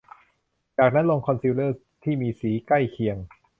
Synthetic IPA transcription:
t͡ɕaː˨˩k̚naː˦˥nlo˧ŋkʰɔ˧nsiː˧wləː˥˩s | t̪ʰiː˥˩miː˧siː˩˦ka˥˩jkʰi˧əŋ

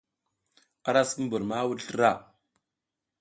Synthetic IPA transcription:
a˦ɾa˦ski˦bu˨ɾma˦wu˦ɬɾa˦˨

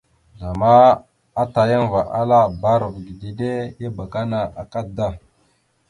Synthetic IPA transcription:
za˨ma˦ | a˦ta˨ja˦n˦va˨ʔa˦la˦ba˦ɾo˨kɡi˨di˨de˦ja˦ba˨ka˦na˨ʔa˨ka˦da˦

